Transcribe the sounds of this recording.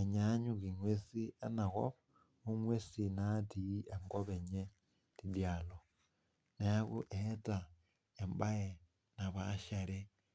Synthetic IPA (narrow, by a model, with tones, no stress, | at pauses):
e˨ɲa˦ɲu˦ki˨ŋwe˦si˦e˦na˨ɣo̰β | ɣu˦ŋwe˦sinati˨˦e˨ŋɡo˦βe˨ɲe˦ | ti˨dja˨lo | ne˨a˦ɣṵ˦ʔe˦ta˨ | e˨mba˦e˨ | na˨βaʃa˨ɾi˦